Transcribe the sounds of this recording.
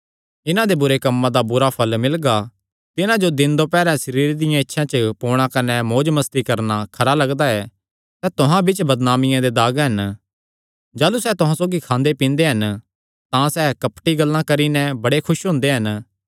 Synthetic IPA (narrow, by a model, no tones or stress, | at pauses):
ɪnãd̪ebʊɾekɐmːãd̪abʊɾapʰɐlmɪlɡa | t̪ɪnãd͡ʒod̪ɪ̃nd̪opɛːɾɛ̃səɾiːɾd̪ɪjãɪtːʃʰãt͡ʃəpoːɽ̃ãkɐnɛmoːd͡ʒmɐst̪ikɐɾnakʰɐɾalɐɡd̪aɛː | sɛːt̪ʊɦãbɪt͡ʃbɐd̪naːmɪjãd̪ed̪aːɡɦɐn | d͡ʒaːlusɛːt̪ʊɦãsoːɡikʰãːnd̪epĩːnd̪eɦɐn | t̪ãsɛːkɐpʈiɡɐlːãkɐɾinɛ̃bɐɽekʰʊʃɦʊ̃ːnd̪eɦɐn